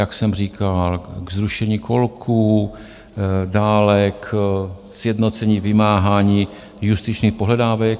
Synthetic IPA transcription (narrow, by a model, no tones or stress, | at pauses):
jaksɛmr̝iːkalɡzɾuʃɛɲiːkʰolkʰuː | daːlɛksjɛdnot͡sɛɲiːvɪmaːɦaːɲiː | just̪ɪt͡ʃniːxpoɦlɛdaːvɛk̚